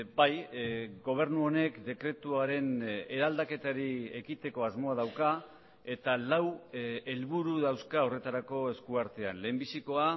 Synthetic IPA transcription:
bajɡo̞β̞e̞ɾnuo̞ne̞kd̪e̞kɾe̞t̪uaɾe̞ne̞ɾald̪ake̞t̪aɾiekit̪e̞ko̞azmo̞aðawka | e̞t̪alawe̞lβuɾuðawskao̞re̞t̪aɾako̞e̞skuaɾt̪e̞anle̞ːmbisiko̞a

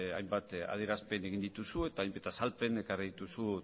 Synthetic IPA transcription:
a̰jmbat̪a̰ð̞ieɾaspe̞ne̞ɣind̪it̪usue̞t̪aːjmbet̪asalpe̞ne̞kariðit̪usu

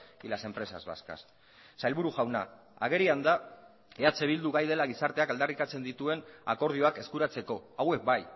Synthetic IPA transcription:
ilase̞mpɾe̞sa̰zβa̰ska̰s | sajlβuɾuʝawna̰ | a̰ɣ̞e̞ɾiand̪a | eat͡se̞β̞ild̪uɣajð̞e̞laɣ̞isaɾt̪e̞akald̪arik̪at͡se̞nd̪it̪ue̞na̰ko̞ɾð̞io̞ake̞skuɾat͡se̞ko̞awe̞k̚baj

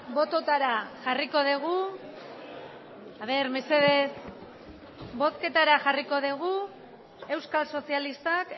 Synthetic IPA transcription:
bo̞t̪o̞t̪aɾaʝariko̞ð̞eɣ̞u | aβ̞e̞ɾme̞se̞ðe̞s | bo̞t̪ke̞t̪aɾaʝariko̞ðeɣ̞u | e̞wskalso̞sialist̪ak

